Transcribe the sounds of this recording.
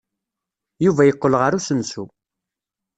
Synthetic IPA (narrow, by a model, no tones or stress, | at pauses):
juvæjəqːəlʁəɾusənsṵ